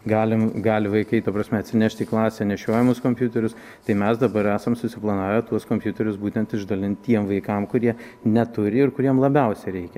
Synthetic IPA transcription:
ɡɑːlʲɪmɡɑːlʲɪʋɐɪkɐɪt̪ɐpɾɐsʲmʲɛɐt̪sʲɪnʲɛʃʲt̪ʲiːklˠɑːsʲeːnʲɛʃʲoːjɛmʊskoːmʲpʲjuːt̪ʲɛɾʲʊs | t̪ɐɪmʲɛsd̪ɐbɐɾæːsɐmsʊsʲɪplˠɐnɑːʋʲjʲɛt̪uɔskomʲpʲjuːt̪ʲɛɾʲʊsbuːt̪ʲɛnt̪ɪʒd̪ɐlʲɪntt̪ʲiɛmʋɐɪkɐmkʊɾʲiɛ | nʲɛt̪ʊɾʲɪɪɾkʊɾʲiɛmlˠɐbʲɛʊsʲɛɾʲɛɪkʲɛ

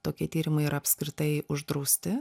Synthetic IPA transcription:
t̪oːkʲiɛt̪ʲiːɾʲɪmɐɪːɾɐɐpʲskɾʲɪt̪ɐɪʊʒd̪ɾɐʊsʲt̪ʲɪ

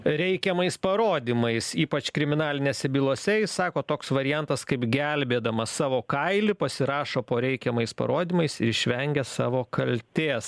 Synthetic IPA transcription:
ɾʲɛɪkʲɛmɐɪspɐɾoːd̪ʲɪmɐɪsiːpɐt͡ʃkɾʲɪmʲɪnɑːlʲɪnʲeːsʲɛbʲɪlˠoːsʲɛjɪsɑːkoːt̪oːksʋɐɾʲɪjɛnt̪ɐskɐɪpɡʲɛlʲbʲeːd̪ɐmɐsɑːʋoːkɐɪlʲɪpɐsʲɪɾɑːʃopoːɾʲɛɪkʲɛmɐɪspɐ̰ɾoːd̪ʲɪmɐɪsɪ̰ɾɪʃʲʋʲɛŋʲɡʲɛsɑːʋoːkɐlʲt̪ʲeːs

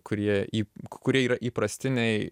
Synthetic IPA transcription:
kʊɾʲiɛiːkʊɾʲiɛiːɾɐʔiːpɾɐsʲt̪ʲɪnʲɛɪ

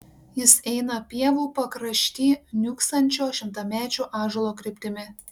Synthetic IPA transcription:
jɪsɛɪnɐpʲiɛʋuːpɐkɾɐʃʲt̪ʲiːnʲʊksɐnʲt͡ʃʲoːʃʲɪmt̪ɐmʲæːt͡ʃʲuːʔɑːʒʊlˠoːkɾʲɪpʲt̪ʲɪmʲɪ

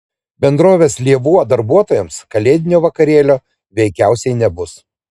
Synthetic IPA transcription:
bʲɛnd̪ɾoːʋʲeːslʲiɛʋuɔd̪ɐɾbuɔt̪oːjɛmskɐlʲeːd̪ʲɪnʲoːʋɐkɐɾʲeːlʲoː | ʋʲɛɪkʲæˑʊsʲɛɪnʲɛbʊs

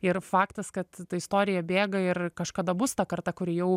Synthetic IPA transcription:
ɪrfɑːkt̪ɐskɐt̪t̪ɐɪst̪oːɾʲɪjɛbʲeːɡɐɪrkɐʃkɐd̪ɐbʊst̪ɐkɐrt̪ɑkʊɾʲjɛʊ

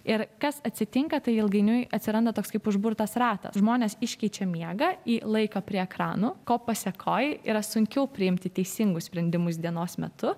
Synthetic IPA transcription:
ɪɾkɐsɐtʲsʲɪt̪ʲɪŋkɐt̪ɐɪɪlˠɡɐɪnʲʊjɐt̪ʲsʲɪɾɐnd̪ɐt̪oːkskɐɪpʊʒbʊɾt̪ɐsrɑːt̪ɐ̰sʒmoːnʲeːsɪʃʲkʲɛɪt͡ʃʲɛmʲiɛɡɐiːlˠɐɪkɐpʲɾʲiɛɛkɾɑːnuːkoːpɐsʲɛkʰoːjɪiɾɐsʊŋʲkʲɛʊpʲɾʲɪɪmʲt̪ʲɪt̪ʲɛɪsʲɪŋɡʊssʲpʲɾʲɛnʲd̪ʲɪmʊsd̪ʲiɛnoːsmʲɛt̪ʊ

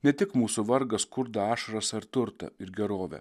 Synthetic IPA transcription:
nʲɛt̪ʲɪkmuːsʊʋɐɾɡɐskʊɾd̪ɐɑːʃɐɾɐsɐɾt̪ʊɾt̪ɐ̰ɪɾɡʲɛɾoːʋʲɛ̰

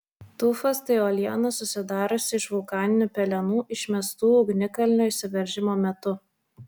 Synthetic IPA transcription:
t̪ʊfɐst̪ɐɪɔlʲiɛnɐsʊsʲɪd̪ɑːɾʊsʲɪɪʃʋʊlkɑːnʲɪnʲupʲɛlʲɛnuːʔɪʃʲmʲɛst̪uːʊɡnʲɪkɐlʲɪnʲoːɪʃʲsʲɪʋʲɛɾʲʒʲɪmoːmʲɛt̪ʊ

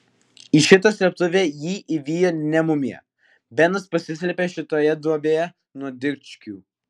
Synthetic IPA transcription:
ɪʃʲɪt̪osʲlʲɛp̚t̪ʊʋʲeːjiːʔiʋʲiːjoːnʲɛmʊmʲiɛ | bʲɛnɐspɐsʲɪsʲlʲɛpʲeːʃʲɪt̪oːjɛd̪uɔbʲeːjɛ | nuɔd̪ʲɪɾʲt͡ʃʲkʲuː

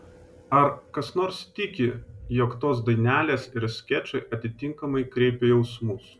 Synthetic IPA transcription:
ɐɾkɐsnoːɾst̪ʲɪkʲɪjokt̪oːs̬d̪ɐɪnʲæːlʲeːsɪɾsʲkʲɛt͡ʃʲɐɪʔɐt̪ʲɪt̪ʲɪŋkɐmɐɪkɾʲɛɪpʲeːjɛʊsmʊs

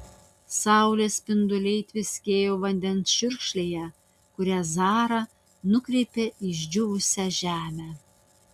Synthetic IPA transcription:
sɑwlʲespʲɪnd̪ʊlʲejt̪ʲʋʲɪsʲkʲeːjoːʋɐnʲd̪ʲɛnsʃɪrkʃʲlʲejɛ | kʊɾʲæzɑːɾɑ | nʊkɾʲepʲeɪʃd͡ʒʊʋʊsʲæʒʲæːmʲæ

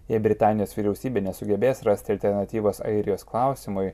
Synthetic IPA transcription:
jɛbʲɾʲɪt̪ɑːnʲɪjoːsʋʲiɾʲɛʊsʲiːbʲeːnʲɛsʊɡʲɛbʲeːsɾɐsʲt̪ʲɪɐlʲt̪ʲɛɾnɐt̪ʲiːʋoːsɐ̰ɪɾʲɪjoːsklˠɑˑʊsʲɪmʊj

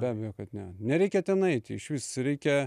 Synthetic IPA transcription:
bʲæːbʲejoːkɐt̪nʲɛnʲɛɾʲɛɪkʲɛt̪ʲɛnɐɪt̪ʲɪɪʃʋʲisɾʲɛɪkʲɛ

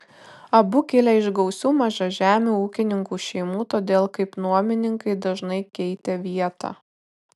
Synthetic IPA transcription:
ɐbʊkʲɪlʲɛɪʒɡɐʊsʲuːmɑʒʲɐʒʲæːmʲuːuːkʲɪnʲɪŋkuːʃʲɛɪmuːt̪oːd̪ʲeːlˠkɐɪpnuɔmʲɪnʲɪŋkɐɪd̪ɐʒnɐɪkʲɛɪt̪ʲɛʋʲiɛt̪ɑ̰ː

